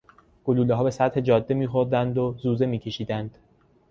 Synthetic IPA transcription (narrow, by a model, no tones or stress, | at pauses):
ɡ̥oluːleɦɒːbe̞sæt̪he̞d͡ʒɒːd̪ːemiːxoɾd̪ænd̪ozuːze̞miːcʰe̞ʃiːd̪ænd̪̥